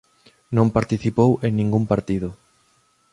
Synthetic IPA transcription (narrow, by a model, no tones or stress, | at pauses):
nõmpaɾt̪iθipoweŋnĩŋɡumpaɾt̪iðʊ